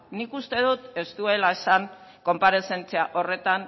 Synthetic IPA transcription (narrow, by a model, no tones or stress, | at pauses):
nikust̪e̞ðut̪e̞st̪ue̞laesaŋko̞mpaɾe̞se̞nt͡seaʔo̞re̞t̪an